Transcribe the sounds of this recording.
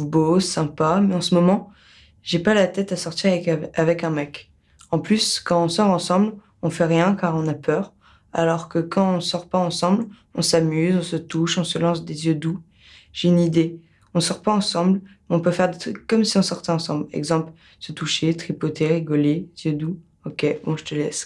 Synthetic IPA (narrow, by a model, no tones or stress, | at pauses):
bosɛ̃pamɛɑ̃səmɔmɑ̃ | ʒepalat̪ɛt̪asɔʁt̪iʁavɛkɛ̃mɛk | ɑ̃plyskɑ̃ɔ̃sɔʁɑ̃sɑ̃bl | ɔ̃fɛʁjɛ̃kaʁɔ̃napʰœʁ | a̰lɔʁkəkɑ̃ɔ̃sɔʁpaɑ̃sɑ̃blɔ̃samyzɔ̃sət̪uʃɔ̃səlɑ̃s̬d̪ezjød̪u | ʒ̥eynid̪e | ɔ̃sɔʁpaɑ̃sɑ̃blmɛɔ̃pøfɛʁd̪et̪χykːɔmsiɔ̃sɔʁt̪ɛ̃ɑ̃sɑ̃blɛ̰ɡzɑ̃pl | sət̪uʃet̪χipɔt̪eʁiɡɔlezjød̪u | ɔkʲebɔ̃ʒət̪əlɛs